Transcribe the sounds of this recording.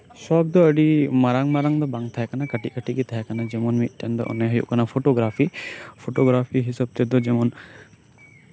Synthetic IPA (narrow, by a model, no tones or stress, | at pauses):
sɔk̚d̪ɔəɖimaɾaŋmaɾaŋd̪ɔbaŋt̪ʰaakanakəʈiʔ̚kəʈiɡit̪ʰaakanad͡ʒɛmɔnmit̪̚ˀʈɛnd̪ɔ̰ʔɔ̰naɦəjṵʔkʰanapʰoʈoɡɾapʰipʰoʈoɡɾapʰiɦisəb̚t̪ɛd̪ɔd͡ʒɛmɔn